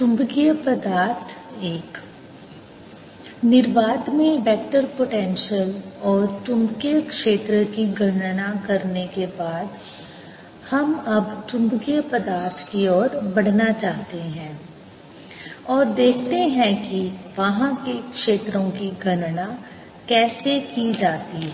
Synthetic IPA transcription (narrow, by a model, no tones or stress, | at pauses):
t̪ʊ̃mbɡijəpɐd̪aːɾt̪ʰeːk | nɪɾʋaːd̪mẽʋɛːk̚ʈəɾpoʈɛ̃ːnʃəlɔːɾt̪ʊ̃mbkijəkʃeːt̪ɾəkiɡʱɐnnakɐɾnekebaːd̪ | hɐmɐbt̪ʊ̃nkiəpɐd̪aːɾt̪ʰkiɔːɾbɐɽ̤nat͡ʃaːɦt̪eɦɛ̃ː | ɔːɾd̪eːkʰt̪eɦɛ̃kiʋɐɦãkekʃeːt̪ɾõkiɡʱɐnna | kɛːsekid͡ʒaːt̪iɦɛ